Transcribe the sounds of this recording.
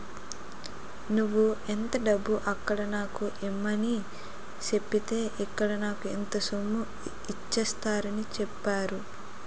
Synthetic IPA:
nuʋːuent̪ɐɖɐbːuʔɐkːɐɽɐnaːkuʔemːɐni | t͡ʃe̞pːit̪e̞ːʔikːɐɽɐnaːkuent̪ɐsomːu | it͡ʃːɐst̪aːɾɐnit͡ʃɛpːaːɾu

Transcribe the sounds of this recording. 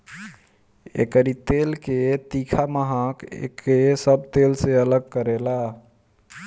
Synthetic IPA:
ḛkəɾit̪elket̪ikʰaməɦakḛkesəb̚t̪elseələɡ̚kəɾela

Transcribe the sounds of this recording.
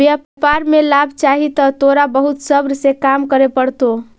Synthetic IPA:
bjappaɾmelabʱt͡ʃaɦit̪ɔt̪oɾabəɦut̪səbɾsekamkəɾepəɽt̪o

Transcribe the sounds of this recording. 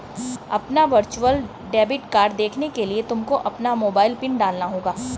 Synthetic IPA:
ɐpnaʋɐɾt͡ʃuəl | ɖɛːbɪʈkaːɾɖd̪eːkʰnekeliet̪ʊmkoʔɐpnamoːbaːɪlpɪɳɖaːlnaɦoːɡaː

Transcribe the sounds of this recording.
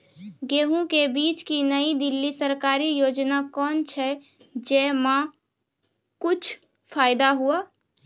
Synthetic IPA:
ɡeɦũkebit͡ʃkinəid̪ilːisəɾkaɾijod͡ʒnakɔnt͡ʃʰɛ | d͡ʒemã | kut͡ʃʰ | pʰajd̪aɦuə

